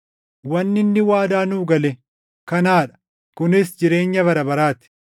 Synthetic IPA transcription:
wɐnːɪnːɪwaːd̪aːnuːɡɐlɛ | kɐnaːᶑɐ̥ | kʊnɪsd͡ʒɪɾe̞ːɲːɐβɐɾɐbɐɾaːt̪ɪ̥

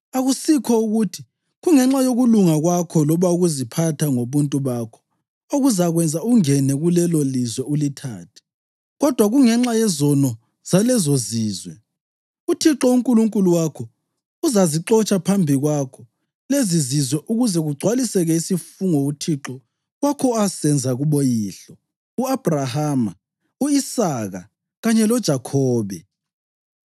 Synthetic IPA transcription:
aɣusikʰɔuɣutʰi̥ | ɣuŋɛŋ͡ǁajoɣuluŋaɣwakʰɔlɔβauɣuzipʰatʰaŋoβuntʼuβakʰɔ̥ | oɣuzaɣwɛnd͡zʱauuŋɛnɛɣulɛlolizwɛulitʰa̰ːtʰɛ̥ | ɣɔd̥ʱwaɣuŋɛŋ͡ǁajɛzɔnɔ | z̥alɛzoziːzwɛ | utʰiǁɔuŋkʼuluŋkʼuluwakʰɔ | uzaziǁɔt͡ʃʼapʰambʱiɣwakʰɔ | lezizizwɛʔuɣuzɛɣuɡ͡ǀʱwalisɛɣɛisifuŋɔutʰiǁɔ | ɣwakʰɔasɛnd͡zʱaɣuɓojiːɬɔ | uab̥ʱrahaːma | uisaːɣa | ɣaɲɛlɔd̥ʒ̥ʱakʰɔːβɛ

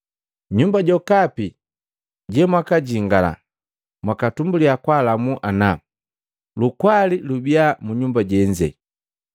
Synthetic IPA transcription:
ɲumbaɟɔkapi | ɟɛmwakaɟiŋɡala̰ | mwakatumbuliakwalamuʔana | lukwalilubiamuɲumbaɟɛɲd͡ʒɛ̰

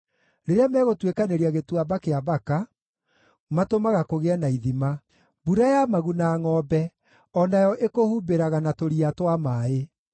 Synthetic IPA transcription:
ɾeɾeamɛːɣotwekaneɾiaɣetwabakeabaka | matomaɣakoɣeɛnaiðima | buɾajamaɣunaːŋɔːbɛ | ɔnajɔʔekohubeɾaɣanatoɾiatwamae

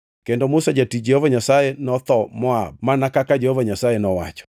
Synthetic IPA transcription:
kɛndɔmusad͡ʒatid͡ʒehɔvaɲasajenɔθɔmɔa̰bmanakakad͡ʒehɔvaɲasajenɔwa̰t͡ʃɔ̥

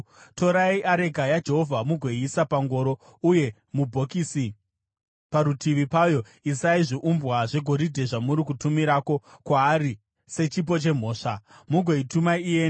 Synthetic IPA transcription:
to̞ɾaiʔaɾe̞ɡʱajad͡ʒe̞ɦo̞vʱamuɡʱwe̞iːsapaŋɡo̞ːɾo̞ | uje̞ | mubʱo̞kisi | paɾutʰiʋipajo̞ | isaiʐiʔumbwaʐe̞ɡʱo̞ɾidʱe̞ʐamuɾikutumiɾaːko̞kwaːɾi | se̞t͡ʃip̬o̞t͡ʃe̞m̤o̞ːʂamuɡʱwe̞itumaije

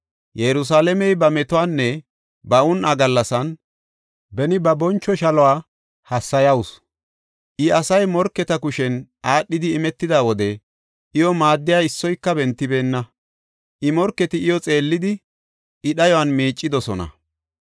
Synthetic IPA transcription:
jɛɾʊs̬aːlɛmɛjbɐmɛt̪ʊwanːɛ | bɐʔʊnɐɡɐlːɐsɐn | bɛnɪbɐbɔnt͡ʃːɔʃɐlɔwaː | hɐsːɐjɐwʊs | ʔɪɐsɐjmɔɾkːɛt̪ɐkʊʃɛnʔaːɗːɪd̪ɪːmɛt̪ːɪd̪aːwɔd̪ɛ | ʔɪjɔmaːd̪ːɪjaɪsːɔjkːɐbɛnt̪ːɪbe̞ːnːɐ | ʔɪmɔɾkːɛt̪ɪɪjɔt͡sʼe̞ːlːɪd̪ɪ | ʔɪɗɐjɔwanmiːt͡ʃʼːɪd̪ɔsɔnɐ̰

